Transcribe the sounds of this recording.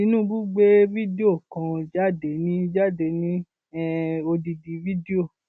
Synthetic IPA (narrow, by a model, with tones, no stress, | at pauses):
i˨˦nũ˦˨˦bu˦ɡ͡be˦vi˦de˦o˦˨kã˧d͡ʒa˦˨de˨˦nĩ˦d͡ʒa˦˨de˨˦nĩ˦ | ɛ˦˧o˧di˧di˨˦vi˦di˦o˦˨